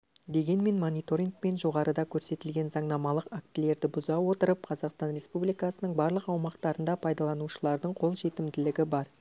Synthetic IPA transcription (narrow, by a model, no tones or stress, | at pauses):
d̪e̞ɡʲe̞nme̞nmonʲijt̪o̞ɾiŋk̚pe̞nʒo̞ʁɑɾəd̪ɑkʲʰɵɾse̞t̪ɪlɡʲe̞nzɑɴnɑmɑlˠəqak̚t̪ɪle̞ɾd̪ɪbʊzɑwo̞t̪əɾəp̚qʰɑzɑqst̪ɑnɾʲe̞spublijkɑsənəɴbɑɾlˠəqɑwmɑqt̪ɑɾənd̪ɑpʰɑjd̪ɑlˠɑnuʃəlˠɑɾd̪əɴqʰo̞lˠʒe̞t̪ɪmd̪ɪlɪɡʲɪbɑɾ